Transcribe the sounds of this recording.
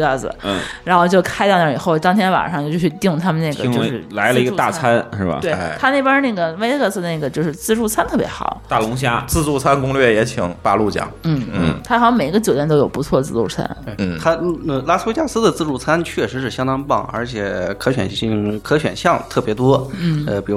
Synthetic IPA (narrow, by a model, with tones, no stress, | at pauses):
ɡə˥˩sɹ̩̰˩˥˩ɻa˧˥nxo˥˧ʊt͡ɕjo˥˧ʊkʰa˥ɪt̪ɑ˥˧ʊnə˥˩i˨˩xo˥˩ʊt̪ɑ˥ŋt̪ʰjɛ˥nwa̰˨˩nʂɑ˥˧ŋt͡ɕjo˥˧ʊjo˥˧˩t͡ɕʰɕt̪i˥˧ŋt̪ʰa˥mə˨na˥˩ɡə̰˨˥t͡ɕo˧ʂɻ̩˥˧˩la˧˥ɪlə˨˧i˧˥ɡə˥˧t̪a˥˧˩t͡sʰa˥nʂɻ̩˥˩bɐ̰˩we˥˩t̪ʰa˥ne˥˩ɪpə˥na˥˩ɡə˩we˥ɪkə˥˩z̩˧d̪ə˩na˥˩ɡə˩t͡ɕjo˥˧ʊʂɻ̩˥˧t͡sɹ̩˥˧ʈ͡ʂu˥˩t͡sʰa˥nt̪ʰɤ˥˩pʲjɛ̰˧˥xɑ̰˨˩˦ʊa˥˩lʊ˧˥ŋɕ̬ja˥t͡sɹ̩˥˧t͡su˥˩t͡sʰa˥nkʊ˥ŋlɥɛ˥˩jɛ˧˥t͡ɕʰi˨˩˦ŋpa̰˥˧lu˥˩t͡ɕjɑ̰˨˩˦ŋn̩˥˩nn̩˥˩t̪ʰa˥xɑ˧˥˩ɑ˥ŋme˨˩i˧˥ɡə˧t͡ɕjo˨˩jɛ˥˧nt̪o˥ʊjo˨˩pu˧˥t͡sʰwɔ˥˧t͡sɹ̩˥˧t͡sṵ˥˩t͡sʰa̰˥ne˥˧˩t̪ʰa˥ə˧˩la˥s̩˥we˥t͡ɕja˥sɹ̩˥d̪ə˨t͡sɹ̩˥˧ʈ͡ʂu˥˩t͡sʰa˥nt͡ɕʰɥɛ˥˩ʂɻ̩˧˥ʂɻ̩˥˩ɕjɑ˥ŋt̪ɑ˥ŋpɑ˥˩ŋə̰˞˧˥t͡ɕʰjɛ˨˩kʰɤ˥ɕɥɛ̰˨˩nɕi˥˧˩ŋkʰɤ˥ɕɥɛ̰˨˩nɕjɑ˥˧ŋt̪ʰɤ˥˩pjɛ˧˥t̪wɔ˥n̩˥˩ə˧pi˨˩ɻ